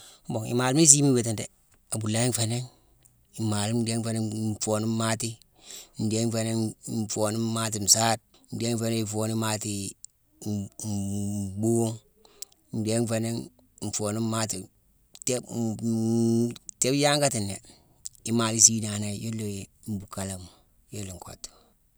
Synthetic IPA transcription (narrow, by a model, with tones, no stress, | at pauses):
m˦bo˨ŋḭ˨maː˨lu˦mi˦s̬i˦mi˦we˨ti˨nde˨ | a˨bu˨la˦i˦n˦fe˨ne˦ŋ | i˨maː˨lu˦mde˦ŋfe˨ne˦fo˨ni˦mma˦ti˦ | n̩˨de˦n˦fe˨ne˦ŋfo˨ni˦ma˦t̬i˨n̩˨saː˦t̚ | n̩˨de˦ŋ˦fe˦ne˦i˨foː˨ni˦ma˦ti˨ | bu˦ŋ˦ | n˨de˦ŋfe˨ne˦ŋ˨ | n̩˨foː˨ni˦ma˦ti˨ | te˦ | te˦bja˦ŋka˦ti˨nḛ˨ | i˦ma˨li˦siː˦na˨na˨jo˦lːo˨˦m̩˦bu˨ka˨la˨m | jo˦lo˨ŋ˨ko̰˨tːo̥˨